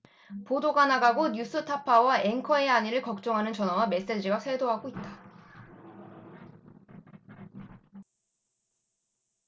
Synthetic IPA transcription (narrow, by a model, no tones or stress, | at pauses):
podoɡanaɡaɡoɲus͈ʰɯtʰapʰawaʔeŋkʰʌeaɲiɾɯɭkʌk̚t͡ɕ͈ʌŋɦanɯnt͡ɕʌnawame̞s͈e̞d͡ʑiɡasʰwe̞doɦaɡoit̚t͈a